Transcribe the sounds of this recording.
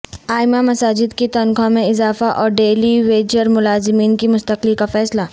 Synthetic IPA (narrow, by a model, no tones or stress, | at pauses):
aːɪmamɐsaːd͡ʒɪd̪kit̪ɔnkʰõmẽɪzaːfaʔɔːɾɖeːliʋeːd͡ʒəɾmʊlaːzɪmiːnkimʊst̪əklikafɛːslaː